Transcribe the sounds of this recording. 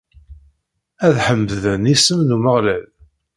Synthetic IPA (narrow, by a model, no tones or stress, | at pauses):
æðħəmːðənisəmnuməʁlæl